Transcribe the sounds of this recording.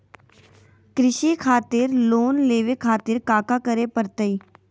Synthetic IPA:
kɾɪʃikʰaːt̪ɪɾloːnleːʋekʰaːt̪ɪɾkaːkakəɾepəɾt̪əi

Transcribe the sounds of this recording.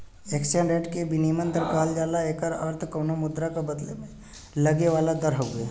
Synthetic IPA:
eːksə̃ɳɖẽːʈkebiniːmə̃nd̪əɾkaːld͡ʒaːlaeːkəɾəɾt̪ʰkɐːnomʊd̪ɾakabɐd̪lemẽ | lɐɡeʋaːlad̪ɐɾɦoɡeː

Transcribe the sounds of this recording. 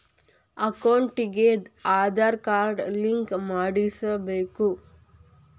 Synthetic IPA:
ɐkɐwɳʈiɡeaːd̪aɾkaːɾɖliŋkmaːɽisɐbeːku

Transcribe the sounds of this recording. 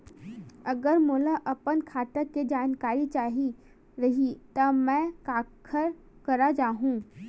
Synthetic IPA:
ɐɡəɾmʊːlaʔɐpənkʰaːʈəkːed͡ʒaːnkaːɾit͡ʃaːɦi | ɾɐɦit̪ɐmɛ̃ːkaːkʰəɾ | kɐɾad͡ʒaːɦũː

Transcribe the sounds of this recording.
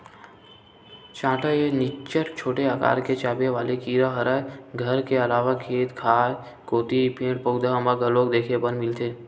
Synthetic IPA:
t͡ʃãːʈaenɪt͡ʃəʈt͡ʃʰoːʈeaka̰ːɾket͡ʃaːbeʋaːlekiːɾaɦɐɾaːeɡʱəɾkeɐlaːʋakʰeːt̪kʰaːe | koːt̪ipẽːɽpəːɡd̪ʱaəməɡəloːk̚d̪eːkʰebə̃nmɪlt̪ʰeː

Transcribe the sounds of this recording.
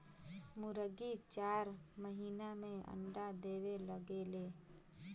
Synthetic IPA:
mʊɾəɡit͡ʃaːɾməɦiːnamẽə̰ɳɖad̪eːweləɡeːle

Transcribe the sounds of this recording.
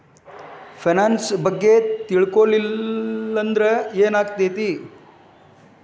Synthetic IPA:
fʰenansbəɡːet̪iɭkolilənd̪ɾəjeːnaːkt̪et̪i

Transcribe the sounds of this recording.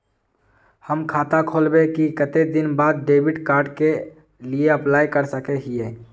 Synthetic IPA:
həmkʰaːt̪akʰoːlbekikət̪ed̪ɪnbaːd̪̚ɖeːwɪɖkaːɾɖke | lieəplaːjkəɾsəkeɦiɛː

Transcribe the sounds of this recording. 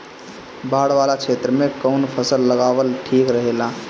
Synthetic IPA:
baɽʋalakʰet̪ɾəmekəʊnpʰəsəlːəɡaʋəlʈʰikɾəɦela

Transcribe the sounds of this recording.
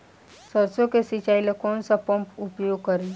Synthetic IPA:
səɾsõkesit͡ʃaːilekɔːnsapəmpʊpjoːɡ̚kəɾi

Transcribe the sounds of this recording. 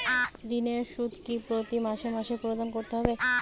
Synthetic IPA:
aɾineɾʃud̪ʱkipɾot̪imaʃemaʃepɾod̪ankoɾt̪eɦɔbea

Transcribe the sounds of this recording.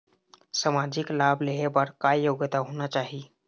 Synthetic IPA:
səmad͡ʑiklableɦebaɾkajjoɡt̪aɦoñat͡ɕaɦi

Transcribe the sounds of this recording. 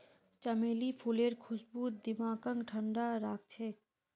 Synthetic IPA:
t͡ʃəmeːlipʰuleɾkʰʊsbuːt̪̚d̪ɪmaːɡə̃ŋɡʈʰəɳɖaɾaːk̚ʰt͡ʃʰe

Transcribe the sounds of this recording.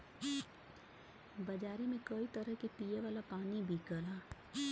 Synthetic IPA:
bɐd͡ʒaːɾemẽkɐit̪ɐɾəɦkepijeʋaːlapaːnibʱikəlaː

